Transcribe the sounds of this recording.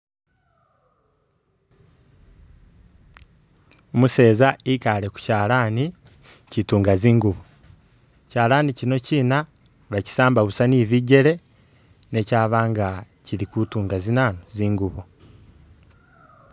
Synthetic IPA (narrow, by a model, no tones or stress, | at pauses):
omuse̞ːzaikale̞ku̥caːlaːni | cituːŋɡaziːŋɡuβo | caːlaːnicino̞ciːna | βaci̥saːmbaβusaniːβiɟe̞ɾe̞ | ne̞caːβaːŋɡa | ciɾikutuːŋɡazinaːnoziːŋɡuβo